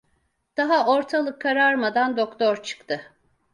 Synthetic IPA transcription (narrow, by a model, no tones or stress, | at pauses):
d̪̥aɦaoɾt̪ʰalˠɯkʰːaɾaɾmad̪and̪okt̪ʰoɾt͡ʃʰɯ̥kt̪ʰɯ